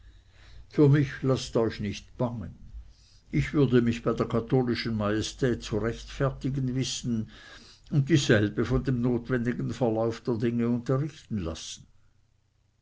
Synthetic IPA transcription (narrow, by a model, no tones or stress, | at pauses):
fyːɐmɪçlastɔʏçnɪçtb̥aŋə̰n | ɪçv̥ʏɐdəmɪçb̥aɪdeːɐkʰatʰoːlɪʃən̩majestʰɛːt̚t͡suʁɛçtfɛɐtɪɡənvɪsn̩ | ʊnt̚tiːzɛlb̥əfɔndemnoːtvɛndɪɡn̩fɛɐlaʊfd̥eːɐdɪŋəʊntɐʁɪçtn̩la̰sn̩